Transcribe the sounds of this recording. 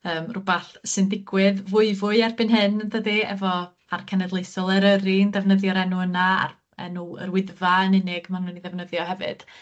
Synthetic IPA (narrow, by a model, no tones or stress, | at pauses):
əːmrʊbaɬsɨndɪɡwɪðvʊɨvʊɨarbɨnɦɪnəndədiɛ̰vɔ | arkʰɛnɛdlˠejsɔlˠɛɾəɾindɛvnəðjɔɾɛnʊənaa̰r | ɛ̰nuə̰ɾwɪðvaənɪnɪɡmannuniðɛvnəðjɔhɛvɨ̰d̥